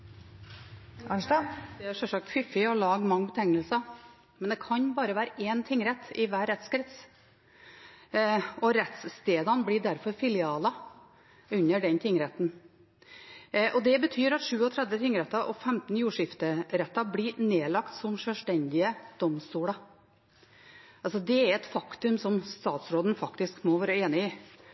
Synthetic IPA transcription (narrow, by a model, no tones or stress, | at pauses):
ɑɑd̪ɛæɾʂɛʂɑk̚t̪fɪfːɪɔlɑːɡmɑŋːbət̪ʰɛŋːəlsɑ | mɛnd̪ɛkʰɑnbɑːɾəʋæːɾəʔeːnt̪ʰɪŋːɾɛt̪ːɪʋæːɾɛt̪skɾɛt̪s | ɔɾɛt̪sst̪eːd̪ɑnblɪɖ̪æɾfɔɾfɪlɪɑːlɑ | ʉɲːəɖɛnt̪ʰɪŋːɾɛt̪n | ʔɔd̪ɛbət̪ʰyːɾɑt̪ʂʉːɔt̪ʰɾɛd̪ʋət̪ʰɪŋːɾɛt̪ːɑʔɔfɛmt̪n̩juːʂɪft̪əɾɛt̪ːɑblɪneːlɑkt̪sɔmʂœʂʈ̪ɛnd̪ɪəd̪̥ɔmst̪uːlɑ | ɑlsɔd̪ɛæɾɛt̪fɑkt̪ʉmsɔmst̪ɑːt̪sɾoːd̪n̩fɑkt̪ɪskmɔʋæːɾəeːnɪɪ